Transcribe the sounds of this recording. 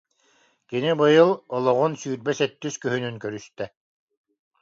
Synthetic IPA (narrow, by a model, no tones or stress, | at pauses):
kinibɯjɯlˠɔlˠɔʁunsyːɾbɛsɛt̪ːyskœɦynynkœɾyst̪ɛ